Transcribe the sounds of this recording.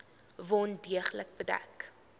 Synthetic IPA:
vɔndiəχlək̚bədæ̰k

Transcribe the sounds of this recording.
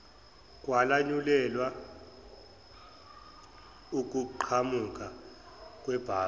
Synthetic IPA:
k̬ʼwalaɲulɛlwa | uk̬ʼuǃʰamuk̬ʼa | k̬ʼwɛb̥ʱaː

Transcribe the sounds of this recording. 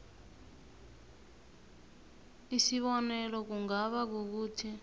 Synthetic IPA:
isiβɔnɛlɔk̬uŋɡaβak̬uk̬uːtʰi

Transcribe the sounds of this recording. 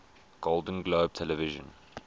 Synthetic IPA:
ɡ̥olˠdə̃n̩ɡloʊb̥̚tʰɛlɛvɪʒə̰̃n

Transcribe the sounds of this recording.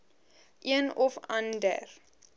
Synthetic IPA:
ʔiənɔfãndə̰r

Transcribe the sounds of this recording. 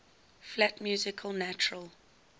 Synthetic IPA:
flatmjuːzɪkʰəlˠnæt͡ʃəɹəlˠ

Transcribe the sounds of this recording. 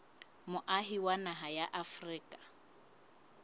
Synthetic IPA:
mʊʔaɦiwanaɦajaʔafriːkʼḁ

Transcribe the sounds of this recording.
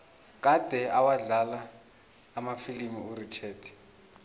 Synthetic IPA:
kʼad̥ʱɛawaɮalaː | mafilimiuɾit͡ʃʰɛːtʰɛ̥

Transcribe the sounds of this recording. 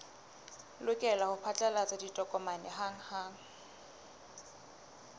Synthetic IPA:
lʊkʼɛlahʊpʰat͡ɬʼalat͡sʼaditʼɔkʼɔmanɛɦaŋ̩haːŋ̩

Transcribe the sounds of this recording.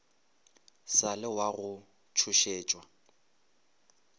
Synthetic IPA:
salɪwaɣʊ | t͡ʃʰʊʃeːt͡ʃʼwa

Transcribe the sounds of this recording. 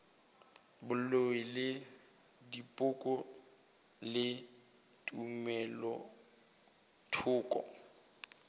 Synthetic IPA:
bʊlowɪlɪ | dipʼʊkʼʊ | lɪ | tʼumɛlɔ | tʰʊːkʼɔ̰

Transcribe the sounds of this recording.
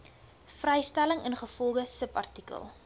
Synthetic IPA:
frɛjstæləŋənχəfɔlˠχəsəpɐ̰rtikə̰lˠ

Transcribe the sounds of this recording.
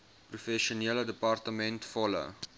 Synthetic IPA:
prufɛʃuniələdəpɑrtəmɛntfɔlə̰

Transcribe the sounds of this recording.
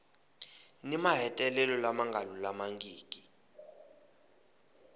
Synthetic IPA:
nimaɦɛtʼɛlɛlɔlamaŋɡʱalulamaŋɡiːkʼi

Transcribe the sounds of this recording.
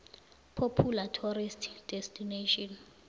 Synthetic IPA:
pʰopʰulatʰɔɾistʰd̥ɛstʰineʃɔn

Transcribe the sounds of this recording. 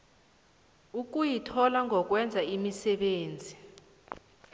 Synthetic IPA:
uk̬ujitʰɔlaŋʱɔk̬ʼwɛnd͡zʱaimisɛɓeːnd͡zʱi

